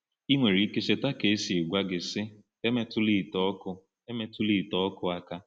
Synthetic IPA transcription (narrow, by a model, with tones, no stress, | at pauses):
i˦ŋʷe˨ɾi˨˦i˦ke˦se˦ta˦ke˨˦si˨e˨ɡʷa˦ɡɪ˨sɪ˦ | e˦me˦tʊ˦li˦˨tɔ˦kʊ˦ | e˦me˦tʊ˦li˦˨tɔ˦ɔ˦kʊ˦a˦ka˦